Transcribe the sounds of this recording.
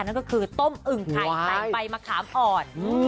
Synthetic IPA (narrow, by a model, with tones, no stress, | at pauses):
na˥˩kɔ˥˩kʰɯː˧t̪o˥˩mʔɯ˨˩ŋa˦a˧jpa˧jmaː˧kʰaː˩˦mʔɔː˨˩n˧